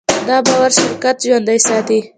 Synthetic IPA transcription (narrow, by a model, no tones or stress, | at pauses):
d̪ɑbɑwaɾʃɪɾkat̪ʒwand̪ajsɑːt̪i